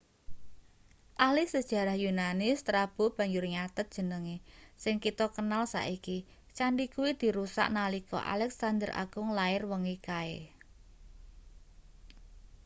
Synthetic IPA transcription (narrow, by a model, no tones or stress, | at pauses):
ʔalɪhsəd̥ʒ̥ä̤ɾahjunanɪst̪ɾab̥o̤b̥ä̤ɲd͡ʒʊrŋat̪ət̪̚dʒ̥ə̤nəŋesɪŋkit̪ɔkənalsa̰ʔiki | t͡ʃaɳɖikuwid̪̥i̤ɾusa̰ʔnalikɔ̰ʔa̰lɛksand̪əɾʔa̰ɡ̥ʊŋlaɪrwəŋikae